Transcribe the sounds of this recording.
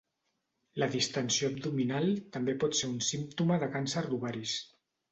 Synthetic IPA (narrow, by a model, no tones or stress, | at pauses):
ləðist̪ənsiob̚d̪uminalˠt̪əmbepɔt̪seɾunsimt̪uməðəkansəɾd̪uβaɾis